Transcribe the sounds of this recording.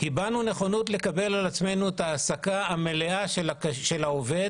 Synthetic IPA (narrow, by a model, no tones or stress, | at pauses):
hibanune̞χo̞nut̪le̞kabe̞lalat͡sme̞jnuet̪aːsakaameleaʃelakʃe̞laove̞d